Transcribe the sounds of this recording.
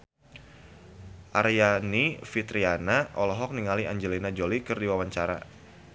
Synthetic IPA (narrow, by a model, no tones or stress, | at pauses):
ʔarjanifit̪ɾianaʔɔlɔɦɔk̚niŋaliʔaɲd͡ʒɛlinad͡ʒolikərdiwawaɲt͡ʃaɾa̰